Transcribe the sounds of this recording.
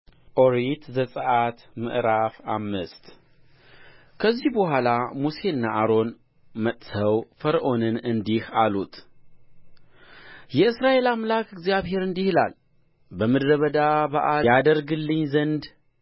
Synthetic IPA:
ʔoɾit̪zəsʼəʔat̪mɨ̰ʔɾafa̰mːɨst̪ | kʰəzːihbəhʷalamuse̞ɨnːaʔaɾo̞n | mət̪ʼsʰəwfəɾʔo̞nɨnɨnd̪ihalut̪ | jɛɨsɾaʔe̞lamlakɨɡzjaβhe̞ɾɨnd̪ihɨla̰l | bəmɨd̪ɾəβəd̪abaʔaad̪əɾɡɨlːɨɲːzənd̪

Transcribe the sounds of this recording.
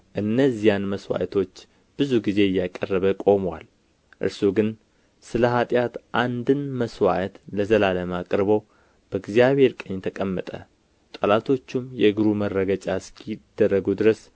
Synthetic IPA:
ʔɨnːəzijanməswa̰ʔt̪ʰo̞t͡ʃː | b̥ɨzuɡize̞jːakʼərːəβəkʼo̞mwa̰l | ʔɨ̰ɾsuɡɨn | sɨləɦat̪ʼjat̪ʔand̪ɨnməswa̰t̪ləzəlaləmakʼɾβəw | b̥əɡzijaβhe̞ɾkʼəɲːt̪ʰəkʼəmːət̪ʼə̰ | t̪ʼəlat̪ʰo̞t͡ʃːumjɛɨɡɨɾumərːəɡət͡ʃʼaskʰid̪̥ːərːəɡud̪ɨɾəs

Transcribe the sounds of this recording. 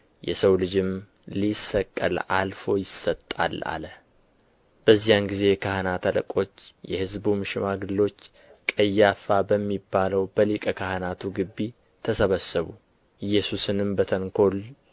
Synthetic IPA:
jɛ̰səwlɨd͡ʒɪm | lisːəkʼːə̰lalfo̞jɪsːət̪ʼːa̰la̰lə | b̥əzːijanɡize̞kʰahanat̪ʰalə̰kʼo̞t͡ʃːjɛhɨzbumɨʃɪmaɡɨlːo̞t͡ʃː | kʼəjːafabəmːibːaləwbəlikʼəkʰahnat̪ʰuɡɨbːi | t̪ʰəsəβəsːɨβṵ | jːɛsusɨnɨmbət̪ʰəŋkʰo̞l

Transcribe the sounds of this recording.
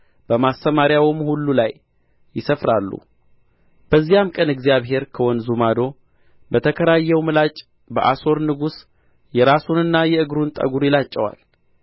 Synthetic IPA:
b̥əmast̪əmaɾjawmhulːulajː | ɪsəfɾalːṵ | b̥əzːijamkʼənɨɡzijaβɦe̞ɾkʰəwɔnzumad̪o̞ | bət̪ʰəkʰəɾajːɛwmɨlat͡ʃʼ | bəʔaso̞ɾnɨɡus | jɛɾasunɨnːajɛɨɡɾunt̪ʼə̰ɡuɾjɪlat͡ʃʼːɛwa̰l

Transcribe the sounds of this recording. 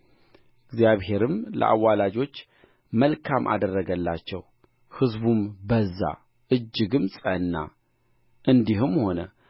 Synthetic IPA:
ɪɡzjaβhe̞ɾɨmlə̰ʔa̰wːalad͡ʒo̞t͡ʃː | məlkʰamʔa̰d̪ərːəɡəlːat͡ʃːɛw | hɨzbumbəzːa̰ | ʔɨd͡ʒːɨɡɨmsʼənːa̰ | ʔɨnd̪ihɨmho̞nə

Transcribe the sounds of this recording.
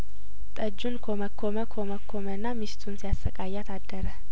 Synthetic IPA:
t̪ʼəd͡ʒːunkʰoməkʰːoməkʰoməkʰːomənːamist̪ʰunsijasːəkʼajːat̪ʰad̪ːəɾə

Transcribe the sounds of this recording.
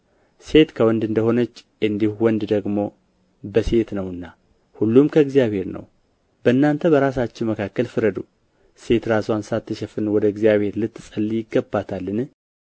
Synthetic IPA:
se̞t̪kʰəwɔnd̪ɨnd̪əho̞nət͡ʃː | ɨnd̪ihuwɔnd̪d̪əɡmo̞ | bəse̞t̪nəwɨnːa | hulːumkʰəɨɡzijaβhe̞ɾnə̰w | bənːant̪ʰəbəɾas̬at͡ʃːɪnməkʰakːəlfɨɾəd̪u | se̞t̪ɾasansat̪ʰːɨʃɛfɨnwɔd̪əɨɡzijaβhe̞ɾlɨt̪ːɨsʼəlːijɪɡːəbat̪ʰalːɨn

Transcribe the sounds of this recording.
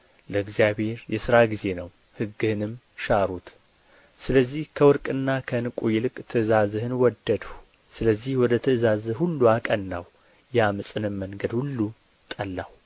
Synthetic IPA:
ləɨɡzijaβhe̞ɾjɛsɨɾaɡize̞nəw | hɨɡːɨhɨnɨm | ʃaɾut̪ | sɨləzːihkʰəwɔɾkʼɨnːakʰənɨkʼujɪlɨkʼt̪ʰɨzazɨhɨnwɔd̪ːəd̪u | sɨləzːihwɔd̪ət̪ʰɨzazɨhulːuakʼənːa̰w | jamɨsʼɨnɨmːəŋɡəd̪hulːu | t̪ʼəlːaw

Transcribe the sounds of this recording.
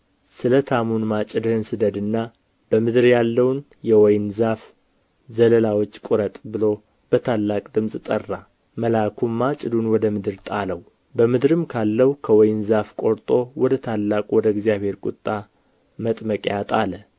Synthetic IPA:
sɨlət̪ʰamunmat͡ʃʼɨd̪ɨhɨnsɨd̪əd̪ɨnːa | b̥əmɨd̪ɨɾjalːəwn | jɛwɔjnzaf | zələlawo̞t͡ʃːkʷʼʊɾət̪ʼbɨlo̞ | b̥ət̪ʰalːakʼd̪ɨmsʼt̪ʼərːa | məlakʰumːat͡ʃʼɨd̪unwɔd̪əmɨd̪ɨɾt̪ʼaləw | bəmɨd̪ɾɨmkʰalːəwukʰəwɔjnzafkʼo̞ɾt̪ʼo̞wɔd̪ət̪ʰalːakʼwɔd̪əɡzjaβhe̞ɾkʼʊt̪ʼːa | mət̪ʼməkʼjat̪ʼalə

